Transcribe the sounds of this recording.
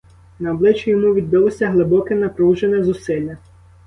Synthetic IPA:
nɐɔblˠɪt͡ʃʊjɔmuʋʲid̪ːɐlˠɔsʲɐɦlˠɪbɔkɛnɐpɾuwʒenɛzʊsɪlʲːɐ

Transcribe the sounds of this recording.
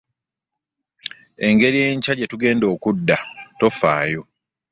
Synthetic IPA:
e̞ŋɡe̞ɾije̞ːɲcaɟe̞tuɡe̞ːndo̞ːkudːato̞faːjo̞

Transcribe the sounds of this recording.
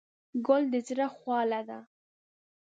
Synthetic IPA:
ɡold̪əzɾaxwɑlad̪a

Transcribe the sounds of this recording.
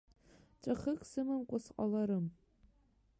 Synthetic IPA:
t͡ʃʼaχɨkʼsɨmɨmkʷʼʊsqʼalaɾɨm

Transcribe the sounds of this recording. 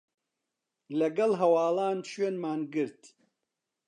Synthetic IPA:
lɐɡɐlɦɐwaːlaːnʃweːnmaːnɡɨɾt̪

